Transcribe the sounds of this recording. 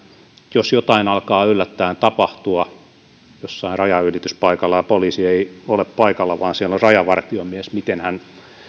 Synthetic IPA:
josjot̪ɑinɑlkɑːylːæt̪ːæːnt̪ɑpɑht̪uɑ | josːɑinrɑjɑylit̪yspɑikɑlːɑjɑpoliːsieioleppɑikɑlːɑʋɑːnsielorɑjɑʋɑrt̪iomiesmit̪enhæn

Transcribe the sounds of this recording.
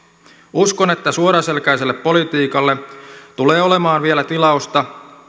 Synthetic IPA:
uskone̞t̪ːæsuoɾɑselkæjselːepːo̞lit̪iːkɑlːet̪ule̞ːolemɑːnʋielæt̪ilɑust̪ɑ

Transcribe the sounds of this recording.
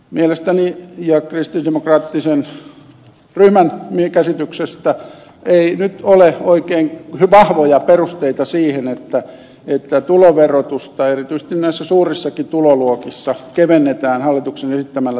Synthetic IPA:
mielest̪ænijɑkrist̪indemokrɑːt̪ːisen | ryhmænmikæsit̪yksest̪æ | einyt̪oleoikeːŋhʋɑhʋojɑperust̪eit̪ɑsiːhenet̪ːæ | et̪ːæt̪uloʋerot̪ust̪ɑerit̪yise̥s̆t̪innæisːæsuːrisːɑkit̪uloluokisːɑkeʋenːet̪æːnhɑlːit̪uksenesit̪ːæmælːæ

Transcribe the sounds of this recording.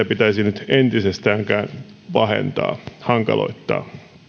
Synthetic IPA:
æpit̪æisinyt̪ent̪isest̪æːŋkænʋɑhḛnt̪ɑ̰ːhɑŋkɑ̰lo̰it̪ːɑ̰ː

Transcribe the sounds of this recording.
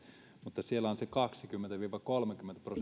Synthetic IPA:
mut̪ːɑsielːæonsekɑksikymːent̪æʋiːʋɑkolmekymːent̪æpros

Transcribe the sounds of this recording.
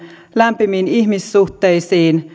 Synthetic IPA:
læmpiminiçmisːuht̪ejsiːn

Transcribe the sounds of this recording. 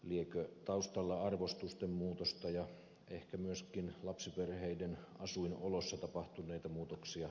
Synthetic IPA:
liekøt̪ɑust̪ɑlːɑɑrʋost̪ust̪emmuːt̪ost̪ɑjɑ | ehkæmyøskinlɑpsiperheidenɑsuinolosːɑt̪ɑpɑht̪unˑeit̪ɑmuːt̪oksiɑ

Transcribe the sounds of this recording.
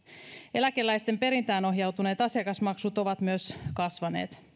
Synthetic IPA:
e̞læke̞lːæjst̪e̞mpe̞ɾint̪æːno̞ɦjɑwt̪une̞ːt̪ɑsiɑkɑsmɑksut̪o̞ʋɑt̪myøskɑsʋɑnḛːt̪

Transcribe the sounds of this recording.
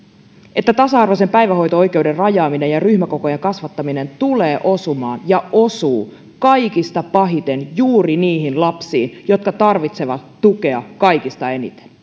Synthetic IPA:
ʔe̞t̪ːæt̪ɑsɑɑrʋose̞mpæjʋæɦo̞jt̪oo̞jke̞ude̞rrɑjɑːminejɑryhmæko̞ko̞jeŋkɑsʋɑt̪ːɑmine̞nt̪uleːʔo̞sumɑ̰ːnjɑʔosuː | kɑjkist̪ɑpɑɦit̪e̞njuːriniːɦinlɑpsiːnjo̞t̪kɑt̪ɑrʋit̪se̞ʋɑt̪ːuke̞ɑ̰kɑjkist̪ɑe̞nḭt̪e̥n

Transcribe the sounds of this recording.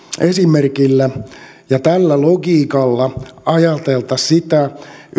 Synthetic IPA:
esimerkilːæ | jɑt̪ælːæloɡiːkɑlːɑɑjɑt̪elt̪ɑssit̪æ

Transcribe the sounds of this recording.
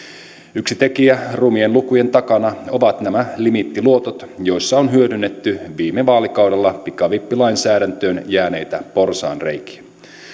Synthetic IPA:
yksit̪e̞kiærumienlukuje̞nt̪ɑkɑnɑo̞ʋɑt̪næmælimit̪ːiluo̞t̪ot̪jo̞jsːɑonɦyødynːe̞t̪ːyʋiːmːeʋɑːlikɑwde̞lːɑpikɑʋipːilɑjnsæːɾænt̪øːnjæːne̞jt̪æpo̞rsɑ̰ːnre̞jk̟i̥

